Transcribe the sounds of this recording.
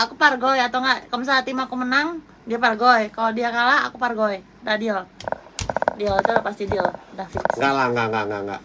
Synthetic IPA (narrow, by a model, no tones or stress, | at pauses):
akuparɡoiat̪awŋɡaʔkəməs̬aat̪imakumənaŋ | diaparɡoɛkalodiakalaa̰kuparɡoɛ | dahdiɔl | diɔit̪uapast̪idiɔldahfit̪ŋɡalaŋɡaŋaŋɡaŋɡa̰